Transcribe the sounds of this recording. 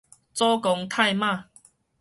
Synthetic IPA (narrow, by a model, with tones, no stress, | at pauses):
t͡sɔ˦kɔ˨˧ŋt̪ʰa˥˧˨jmã˥˧˨